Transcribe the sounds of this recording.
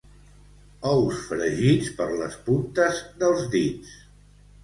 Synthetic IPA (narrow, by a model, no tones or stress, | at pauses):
ɔwsfɾəʒit͡spəɾlə̰spunt̪əzðəlˠzd̪is